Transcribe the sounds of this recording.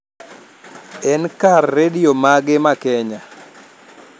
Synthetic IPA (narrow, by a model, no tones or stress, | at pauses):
ɛnkarːediomaɡɪmakɛɲa